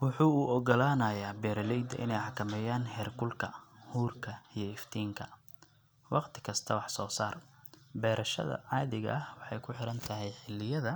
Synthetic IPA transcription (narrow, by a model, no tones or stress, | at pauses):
wʊħuːuːʔɔɡɔlaːnɐːjaːbɛːɾɐlɛjd̪ɐʔɪ̰nɛjħɑkʰɐmɛːjaːnhɛːrkʰʊlkʰɐ̰huːrkʰɐijɞɪft̪ʰiːŋkʰɐ | wɑqt̪ʰɪ̥kʰɐst̪ʰɐwɑħsɔːsaːrbɛːɾʔɐʃɐ̰ðɐ̰ʕɑːðɪɣɐ̰ʔɐhwɑħɑjkʰʊħɪɾɐnt̪ʰɐɦɛjħɪlːɪjɐðɐ